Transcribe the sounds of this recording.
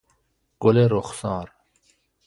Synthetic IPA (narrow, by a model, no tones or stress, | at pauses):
ɡ̥oleɾoχsɑːɾ